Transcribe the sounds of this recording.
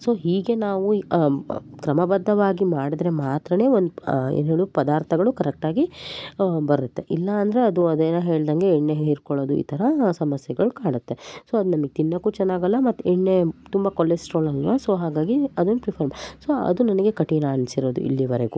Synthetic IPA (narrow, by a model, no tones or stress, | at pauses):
so̞ːɦiːɡe̞naːʋu | kɾɐmɐbɐd̪ːɐʋaːɡimaːɽid̪ɾe̞maːt̪ɾɐne̞ːond̪uḛneɭupɐd̪aːɾt̪ʰɐɡɐɭukɐɾɛk̚ʈaːɡi | bɐɾɾut̪ːe̞ʔilːɐːnd̪ɐɾeɐd̪uɐd̪eːnɐɦe̞ːɭd̪ɐŋɡe̞ːɳːeɦiɾkoɭoːd̪uḭːt̪ʰɐɾɐsɐmɐsjɐɡɐɭukaːɽut̪ːe̞so̞ːɐd̪unɐmɐɡet̪inːɐkːut͡ʃɛnːaːɡɐlːɐmɐt̪ːuɛɳːe̞t̪umbɐkolesʈɾoːlɐlʋasoːɦaːɡaːɡiɐd̪unːupɾipʰɐɾmsoɐ̰d̪unɐnɐɡe̞kɐʈinaɐnsiɾoːd̪ṵḭlːiʋɐɾeɡu